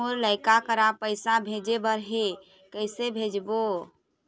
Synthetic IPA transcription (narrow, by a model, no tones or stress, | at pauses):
uɾləɪkakəɾapəɪsabʱed͡ʒebəɾɦe | kəɪsebʱed͡ʒbo